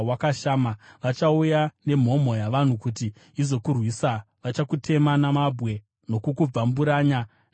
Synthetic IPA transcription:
wakaʃaːmaʋat͡ʃaujane̞m̤o̞mo̞jaʋan̤ukut̬i | izo̞kurwisa | ʋat͡ʃakutʰe̞manamabʱwe̞ | no̞kukub͡vambuɾaːɲa

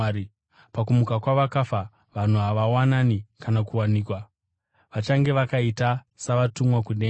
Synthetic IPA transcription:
ɾi | pakumukakwaʋakafa | ʋan̤uɦaʋawananikanakuwaniːkwa | ʋat͡ʃaŋɡe̞ʋakaita | saʋatumwakuɗe

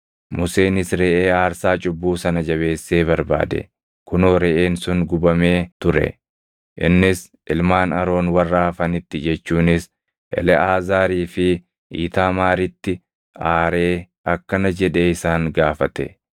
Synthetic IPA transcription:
mʊse̞ːnɪsɾɛʔeːaːɾsaːt͡ʃʼʊbːuːsɐnɐd͡ʒɐβe̞ːsːe̞ːbɐɾba̰ːd̪ɛ̰ | kʊnoːɾɛʔeːnsʊŋɡʊbɐmeːt̪ʊɾɛ̰ | ʔɪ̰nːɪs | ʔɪlmaːnɐɾo̞ːnwɐrːaːfɐnɪt̪ːɪd͡ʒɛt͡ʃːuːnɪs | ʔɛ̰lɛʔaːzaːɾiːfɪ | ʔḭːt̪aːmaːɾɪt̪ːɪ | aːɾe̞ː | ʔɐkːɐnɐd͡ʒɛᶑe̞ːɪsaːŋɡaːfɐt̪ɛ

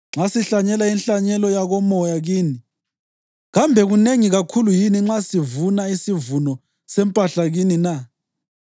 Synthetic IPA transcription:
ŋ͡ǁasiɬaɲɛlainɬaɲɛlɔjaɣɔmɔjaɣiːni | ɣambʱɛɣuneŋiɣakʰulujiniŋ͡ǁasivunaisivunɔ | sɛmpʼaɬaɣinina

